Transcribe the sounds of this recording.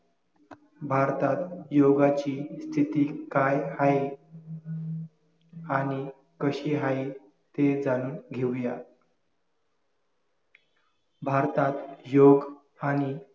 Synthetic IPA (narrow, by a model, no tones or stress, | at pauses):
bʱaɾt̪at̪joɡat͡ɕist̪ʰit̪iːkajhai | aɽ̃i | kəɕiːɦai | t̪ed͡zaɽ̃uːɡʱewja | bʱaɾt̪at̪joɡ | aɽ̃i